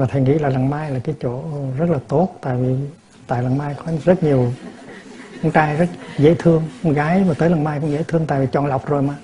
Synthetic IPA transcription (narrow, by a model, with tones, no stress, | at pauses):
vaː˨˩t̪ʰe˧˩ŋḭ˧˥laː˨˩la˨˩ŋmaː˧jlaː˨˩kaː˨˦jt͡ɕo̰˧˨zə˦˥t̚laː˨˩t̪o˦˥t̚t̪a̰ː˧˨jvi˨˩ | t̪a̰ː˧˨jla˨˩ŋmaː˧jkɔ˨˦zə˦˥t̚ɲi˨˩əw | kɔ˧nt͡ɕaː˧jzə˦˥t̚zḛ˧˥t̪ʰɨ˧əŋkɔ˧˦ɣaː˨˦jmaː˨˩t̪əː˨˦la˨˩ŋmaː˧jkʊ̰˧˥ŋ͡mzḛ˧˥t̪ʰɨ˧əŋt̪a̰ː˧˨jvi˨˩t͡ɕɔ˨˩nla˨˩wk͡p̚zo˨˩jmaː˨˩